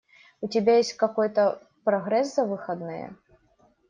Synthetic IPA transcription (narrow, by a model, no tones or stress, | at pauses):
utʲibʲejesʲtʲkakɔjt̪ɐ | pɾɐɣɾɛszɐvɨxɐd̪nɨjɛ̰